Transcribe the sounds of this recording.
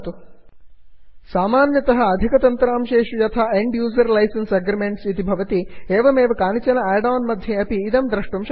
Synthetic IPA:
t̪u | saːmaːnjɐt̪ɐɦɐ̆ːd̪ʱikɐt̪ɐnt̪ɐɾaːmʃeːʂujɐt̪ʰaeɳɖjuːzɐɾlɐjsɐnsɐɡɾɐmeɳʈsit̪ibʱɐʋɐt̪ieːʋɐmeːʋɐkaːnit͡ʃɐnɐɛːɖaːnmɐd̪ʱjɐɐpiːd̪ɐmd̪ɾɐʂʈumʃ

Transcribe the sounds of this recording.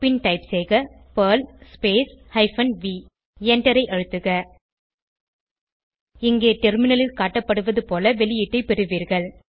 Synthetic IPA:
pɪnʈɐɪpseːɣɐ | pɐːlspeːshɐɪfɐnʋiː | ɛɳʈɐɾɐɪʔɐɻɯt̪ːɯɣɐ | ɪŋɡeːʈɛɾmɪnɐlɪlkaːʈːɐpːɐɽɯʋɐðɯpoːlɐʋɛlɪjɪʈːɐɪpɛɾɯʋiːɾɣɐɭ

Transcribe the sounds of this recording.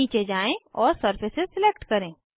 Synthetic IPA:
iːt͡ʃed͡ʒaːẽɔːɾsɐɾfɪsɪzsɪlek̚ʈkɐɾẽː

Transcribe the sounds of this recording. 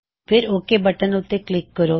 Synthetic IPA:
pʰɪɾoːkebəʈənʊt̪ːeklɪkːəɾo

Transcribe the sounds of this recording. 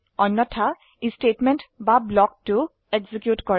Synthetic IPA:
ɔnːɔtʰa | istetmɛntbablɔk̚tu | eɡzikjutkɔɹ

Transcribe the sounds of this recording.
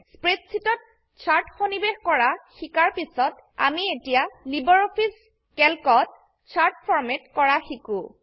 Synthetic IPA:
spɹetsʰitɔt̚ | t͡ʃʰaɹtxonibexkɔɹaxikaɹpisɔt | a̰mietijalibɔɹopʰis | kɛlkɔt̚ | t͡ʃʰaɹtpʰɔɹmetkɔɹaxiku

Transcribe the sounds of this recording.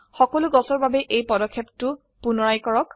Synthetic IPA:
xɔkɔluɡɔsɔɹbabɛʔejpɔdɔkʰːeptʊ | punɔɹajkɔɹɔk

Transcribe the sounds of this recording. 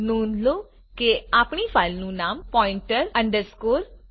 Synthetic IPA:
nuːnd̪lo | keapɳifaːɪlnũnaːmpɔɪɳʈəɾɐ̃ɳɖəɾskoːɾ

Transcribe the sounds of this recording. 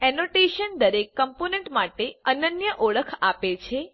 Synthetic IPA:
ɛnoʈeʃənd̪əɾekːəmponeɳʈmaʈeənənjəʔoɭəkʰapet͡ʃʰe

